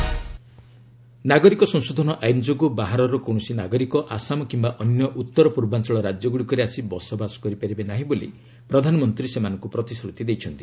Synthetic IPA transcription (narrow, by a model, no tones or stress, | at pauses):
naɡɔɾikɔsɔ̃ŋsod̪ʱɔnɔʔajnd͡ʒoɡɔbaɦaɾɔɾɔkow̃ɔsinaɡɔɾikɔʔasamɔkimbaʔɔnjɔʔut̪ːɔɾɔpuɾbant͡ʃɔɭɔɾad͡ʒjɔɡuɽikɔɾeasibɔsɔbasɔ̥kɔɾipaɾibenaɦĩbolḭ | pɾɔd̪ʱanɔmɔnt̪ɾisemanɔŋkupɾɔt̪isɾut̪id̪ejt͡ʃʰɔnt̪i̥